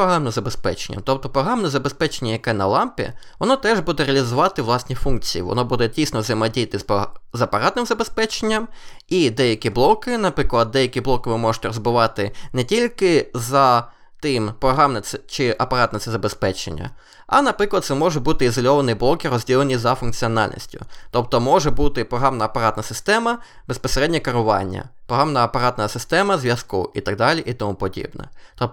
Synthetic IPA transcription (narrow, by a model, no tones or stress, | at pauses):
ɔɦɾɑmnɪmzɐbespɛ̰t͡ʃenʲːɐ̰t̪ɔp̚t̪ɔpɾɔɦɾɑmnɛzɐbespɛt͡ʃenʲːɐjɐkɛnɐ̰lˠɑmpʲḭ | ʋɔnɔt̪ɛʒbud̪ɛreɐlʲizʊʋɑt̪ɪʋlˠɑsʲnʲifunk̚t͡sʲijḭʋɔ̰nɔbud̪ɛdʲijsʲnɔzɐjmɐdʲijɐt̪ɪspzɐpɐɾɑt̪nɪmzɐbespɛt͡ʃenʲːɐmid̪ɛjɐkʲiblˠɔkɪnɐpɾɪklˠɐd̪ːɛjɐkʲiblˠɔkɪʋɪmɔʒɨ̥t̪ɛɾɔzbʊʋɑt̪ɪnɛtʲilʲkɪzɐ | t̪ɪmpɾɔɦɾɑmnɛsɛt͡ʃɪʔɐpɐɾɑt̪nɐt̪sɛzɐbespɛt͡ʃḛnʲːɐ̰ | ɐ̰nɐpɾɪklˠɐd̪̚t̪ɛmɔʒɛbut̪ɪizɔlʲɔʋɐnɪjblˠɔkiɾɔzʲdʲilˠenʲizɐfʊnkt͡sʲiɔnɑ̰lʲnʲḭsʲtʲʊt̪ɔpt̪ɔmɔʒɛbut̪ɪpɾɔɦɑmnɐːpɐɾɑt̪nɐsɪst̪ɛmɐ | bespɔseɾɛdʲnʲikɐɾʊʋɑ̰nʲːɐ̰ppɾɔɦɑmnɐɐpɐɾɑt̪nɐsɪst̪ɛmɐzʲʋʲjɐskuʔit̪ɐɡ̚d̪ɑlʲiʔit̪ɔmupɔdʲḭbnɛ̰t̪ɔ